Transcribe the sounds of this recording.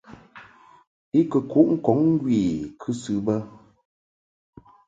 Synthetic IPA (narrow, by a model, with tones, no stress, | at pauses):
i˦kə˨ku˨˦ʔŋ̩˦kɔ˨˦ŋŋ˦ɡɥeː˨kʰʉ˦sʉ˨bə˦